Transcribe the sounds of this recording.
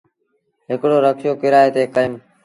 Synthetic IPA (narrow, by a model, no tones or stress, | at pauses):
ɦɪkɽoːɾəkʰjoːkɪɾaːeːt̪eːkəɪm